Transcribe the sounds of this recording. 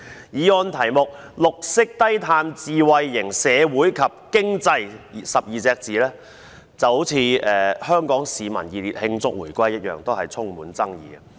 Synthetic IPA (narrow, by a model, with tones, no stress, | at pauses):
jiː˨˧ɔː˧nt̪ʰɐ˨˩jmʊ˨k̚ | lʊ˨k̚sɪ˥k̚t̪ɐ˥jt̪ʰaː˧mt͡siː˨wɐ˨˧jːɪ˨˩ŋsɛː˨˧wuː˨˥jkʰɐ˨p̚kɪ˥ŋt͡sɐ˧jsɐ˨p̚jiː˨t͡sɛː˧k̚t͡siː˨˥lɛː˥ | t͡sɐ˨who˨˥wt͡sʰiː˨˧ɛː˨hœː˥ŋkɔː˨˥ŋsiː˨mɐ̰˨˩njiː˨˧li˨˩t̚hɪ˧ŋt͡sʊ˥k̚wṵː˨˩jkʷɐ˥jːɐ˥t̚jœː˨ŋt̪o˥whɐ˨jt͡sʰʊ˥ŋmuː˨˥nt͡sɐ˥ŋjḭː˨˧ɡɐ˧